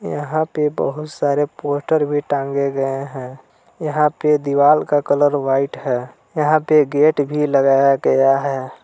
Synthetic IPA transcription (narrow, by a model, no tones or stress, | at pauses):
jə̰ɦãpebə̰ɦʊt̪saːɾepoːsʈəɾbʱiʈãːŋɡeɡəeɦɛ̃ː | jəɦãped̪iʋaːlkakələɾʋaːɪʈɦɛː | jəɦãpeɡeːʈbʱiləɡaːjaɡəjaɦɛː